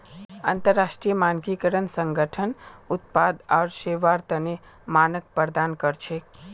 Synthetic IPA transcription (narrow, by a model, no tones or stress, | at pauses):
ənt̪əɾːasʈɾijəmankikəɾənsəŋɡəʈʰənut̪̚pad̪aːɾseʋaɾt̪əne | manək̚pəɾd̪ankəɾt͡ʃʰe